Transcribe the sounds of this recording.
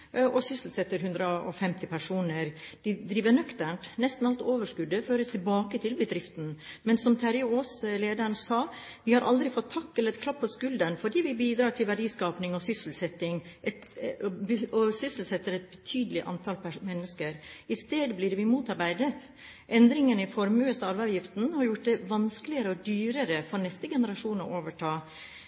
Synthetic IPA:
ʔɔsʏsl̩sɛt̪ːəɾɦʉnd̪ɾəɔ̰fɛmt̪ɪpʰæʂuːnəɾd̪̥ɪd̪ɾiːʋəɳœkt̪æɳʈ̪nɛst̪n̩ɑlt̪oːʋəʂkʉd̪əføːɾəst̪ʰɪlbɑːkət̪ʰɪlbəd̪ɾɪft̪n̩mɛnsɔmt̪ʰæɾʊoːsleːd̪əɾəɳsɑː | ʋɪhɑɾʔɑld̪ɾɪfɔt̪ʰːɑkːɛləɾɛt̪kʰlɑpʰːɔskʉld̪ənfɔɖiːʋɪbiːd̪ɾɑːʈʰɪlʋæɖiːskɑːpnɪŋɔsʏsl̩sɛt̪ːɪŋʔɛt̪bɔsʏsl̩sɛt̪ːəɾɛt̪̚bə̥t̪ʰyːd̪əlɪʔɑ̰nt̪ʰɑlpmɛnːəskəɾɪst̪eːd̪blɪɾʋɪmuːt̪ɑɾbæɪd̪ət̪ | ʔɛnd̪ɾɪŋənəɪfɔɾmøːsɑɑɾʋɑʋjɪft̪nhɑɾjʊʈ̚d̪ɛʋɑnsklɪəɾəɔd̪yːɾəɾəfɔɾnɛst̪əɡɛnəɾɑʂuːnɔ̰ʔoːʋəʈʰɑː

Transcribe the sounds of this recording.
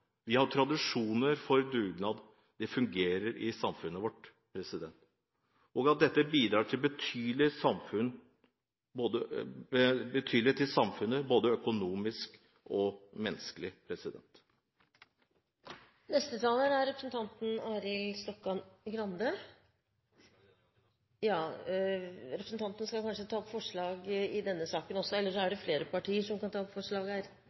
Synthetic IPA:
ʋɪhɑɾʈʰɾɑd̪ɪʂuːnəɾfɔɾd̪ʉːɡnɑd̪ | d̪ɛfʉŋɡeːɾəɾʔɪsɑmfʉnːəʋɔʈ | pʰɾɛsɪd̪ɛnt̪ | ʔɔɡɑt̪̚d̪ɛt̪ːəbiːd̪ɾɑːʈʰɪlbət̪ʰyːlɪsɑmfʉn | boːd̪ə | bət̪ʰyːd̪lɪt̪ʰɪlsɑmfʉnəboːd̪əœkʊnuːmɪsk | ɔmɛnːəskəlɪpʰɾɛsɪd̪ɛ̰nt̪ | nɛst̪ət̪ʰɑːlæɾæɾɾɛpɾəsənt̪ʰɑnt̪n̩ɑːɾɪlst̪ɔkːɑɡɾɑnd̪ə | jɑː | ɾɛpɾəsn̩t̪ɑnt̪ənskɑkʰɑnʂət̪ʰɑːɔpfɔʂɭɑːɡɪd̪ɛnːəsɑːkənɔsːɔɛlːəʂɔæɖɛfleːɾəpɑʈʰiːəʂɔmkɑnt̪ʰɑːɔpfɔʂɭɑːɡæːɾ

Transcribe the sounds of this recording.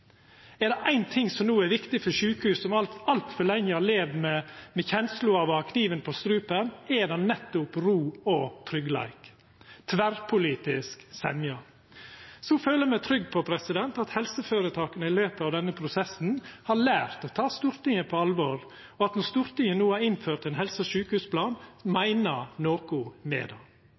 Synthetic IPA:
ɛɾd̪ɛʔæɪnt̪ʰɪŋːsɔmnuːæɾʋɪkt̪ɪfɔɾʂʉːkəhʉːsɔmɑɑlt̪fœɭɛŋːəhɑɭeːʋmɛmɛçɛnslʊɑʋɑkʰniːʋənpʰɔst̪ɾʉːpənɛd̪ɑnːɛt̪ːʊpɾuːɔt̪ʰɾʏɡlæ̰ɪk | t̪ʰʋæɾpʰʊliːt̪ɪsksɛmjɑ | sɔføːləmɛt̪ʰɾʏɡpʰɔpʰɾɛsɪd̪ɛnt̪ɑt̪hɛlsəføːɾət̪ʰɑːkənəɪløːpəɑʋd̪ɛnːəpʰɾʊsɛsn̩hɑɭæːɾt̪ɔt̪ʰɑːst̪uːɾt̪ɪŋəpʰɔɑlʋɔɾ | ɔɑt̪nɔst̪uːɾt̪ɪŋənuːæɾɪnføːɾt̪ɛnɦɛlsəʃʉːkəhʉːspʰlɑːnmæɪnənoːkʊmḛːd̪ɑː

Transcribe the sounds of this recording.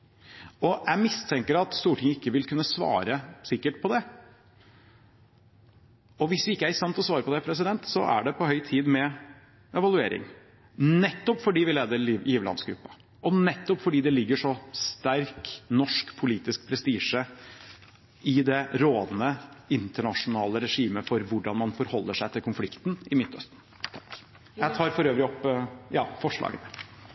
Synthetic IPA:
ɔjæɪmɪst̪ʰɛŋkəɾɑt̪st̪uːʈʰɪŋəɪkːəʋɪlkʉnːəsʋɑ̰ːɾəsɪkːəʈ̚pʰɔd̪ɛ | ɔʋɪsʋɪɪkːəæɾɪkst̪ɛnt̪ɔsʋɑːɾəpɔd̪ɛpʰɾɛsɪd̪ɛnt̪sɔ̰ʔæ̰ɖɛpʰɔhœʏt̪ʰiːd̪mɛ | ʔɛʋɑlʉḛːɾɪ̰ŋ | nɛt̪ːɔpfɔɖiːʋɪleːd̪əɾiiːʋəlɑ̰nsɡɾʉ̰pːə | ʔɔnɛt̪ːɔpfɔɖiːd̪ɛlɪɡːəʂɔst̪æɾknɔʂkpʰʊliːt̪ɪsk̚pʰɾɛst̪iːʂə | ɪd̪ɛɾoːd̪nəɪnt̪əɳɑʂʊnɑːləɾɛʂiːməfɔɾʋʊɖɑnmɑnfɔɾhɔlːəʂæɪt̪ʰɪlkʊnflɪkt̪nɪmɪt̪ʰːœ̰st̪̩ʰ | jæɪt̪ʰɑːɾfɔɾøːʋɾɪɔpːjɑːfɔʂɭɑ̰ːɡənə

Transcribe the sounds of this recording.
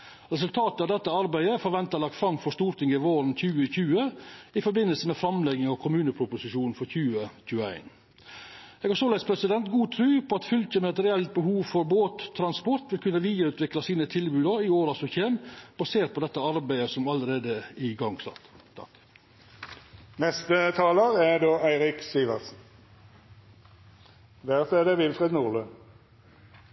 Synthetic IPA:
ɾɛs̬ʉlt̪ʰɑːt̪əɑːd̪ɛt̪ːəɑɾbæɪəfɔɾʋɛnt̪ɑlɑk̚t̪fɾɑmfɔʂt̪uːɾt̪ʰɪŋɪʋoːɾn̩çʉːəçʉːəɪfɔɾbɪnːəlsəmɛfɾɑmlɛɡɪŋɔkʰʊmʉːnəpʰɾʊpʊsɪʂuːnfɔɾçʉːəçʉːəæ̰ɪn | ɛːɡɑsɔlæɪspʰɾɛsɪd̪ɛnt̪ɡuːt̪ʰɾʉːpʰɔɑt̪fʉlçəmɛɛt̪ɾɛɛlt̪̚bəhuːʋfɔɾboːt̪ʰːɾɑnspɔɾt̪ʋɪlkʰʉnːəʋiːəɾʉːt̪ʋɪklɑsiːnət̪ʰɪlbʉːd̪əɪoːɾɑsɔçeːmb̥ɑseːɾt̪̚pʰɔd̪ɛt̪ːəɑɾbæɪəsɔmɑləɾeːd̪əɪɡɑŋsɑ̰t̪ʰɑ̰k | nɛst̪ət̪ʰɑːləʁæd̪oːʔæɪʁɪksiːʋɑʁsn̩ | ʋæʁseːd̪əʋɪlfʁɛːd̪nuːʁløː

